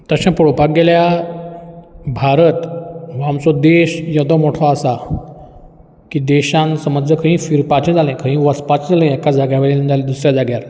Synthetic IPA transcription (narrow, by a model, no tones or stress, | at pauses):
t̪əɕãpəɽopaɡɡelja | bʱaɾət̪ʋamt͡sɔd̪eɕjəd̪ɔmoʈʰɔasa | kiːd̪eɕãnsəməd͡zəkʰəɦĩfiɾpat͡ɕẽd͡zʱalə̃jkʰə̃ɦĩʋəspat͡ɕd͡zalə̃ɛkad͡zaɡjaʋelend͡zaled̪usɾjad͡zaɡjaɾ